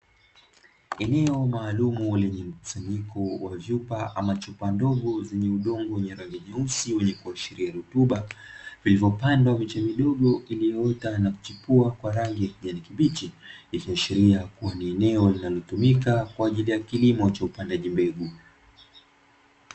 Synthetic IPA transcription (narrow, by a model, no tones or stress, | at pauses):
ɛnɛɔmaːlumulɛɲɛm̩ku̥saɲikʰɔwavjupaʔa̰mat͡ʃupandɔɠɔzɛɲɛuɗɔŋɡɔwɛɲɛɾaŋɡiɲɛusiwɛɲɛkuaʃiɾiaɾutuɓavilivɔpandwamit͡ʃɛmiɗɔɠɔʔilijɔtanaku̥t͡ʃipuakwaɾaŋɡiakiɲanikiɓit͡ʃiikiaʃiɾiakuaniɛnɛɔlinalɔtumikakwaːʄilijakilimɔt͡ʃaupandaʄimbɛɡu